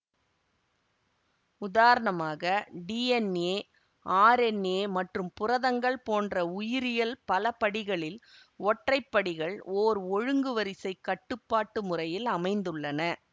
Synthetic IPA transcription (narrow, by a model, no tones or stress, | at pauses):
ʊðaːɾɐɳɐmaːɣɐɖiːɛneː | ʔaːɾɛneːmɐʈrɯmpʊrɐðɐŋɡɐɭpoːndrɐʊjɪɾɪjɐlpɐlɐpɐɽɪɣɐɭɪl | ɔʈrɐɪpːɐɽɪɣɐɭoːɾɔɻɯŋɡɯʋɐɾɪsɐɪkːɐʈːɯpːaːʈːɯmʊrɐjɪlɐmɐɪnd̪ɯɭːɐnɐ